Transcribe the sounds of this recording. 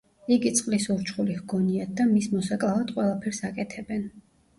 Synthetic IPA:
iɡit̪sʼqʼlisuɾt͡ʃχulihɡɔniad̪̚d̪amismɔsakʼlˠavad̪̥qʼwɛlˠapʰɛɾsakʼɛt̪ʰɛbɛn

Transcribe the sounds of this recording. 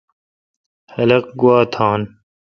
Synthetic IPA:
hɐlɐq̚ɡuwaːt̪ʰaːn

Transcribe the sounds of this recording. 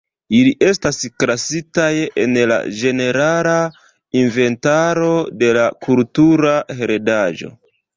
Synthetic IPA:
iliʔe̞staskɾasitajḛnla̰d͡ʒe̞ne̞ɾala | inve̞ntaɾo̞de̞lakʰultuɾaheɾedaʒo̞̰

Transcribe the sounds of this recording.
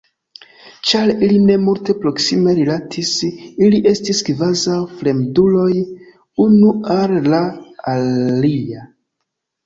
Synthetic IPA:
t͡ʃaɾiline̞multe̞pɾo̞ksime̞ɾilatʰisiliʔe̞stiskvazawfɾe̞mdulo̞j | unuallaalia

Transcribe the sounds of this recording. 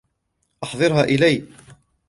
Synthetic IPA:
ʔɑħðˤɨɾɦæʔɪlæj

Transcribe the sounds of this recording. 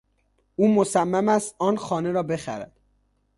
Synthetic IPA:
uːmosæmːæmæst̪ɒːnxɒːne̞ɾɒːbe̞xæ̰ɾæ̰d̪̥

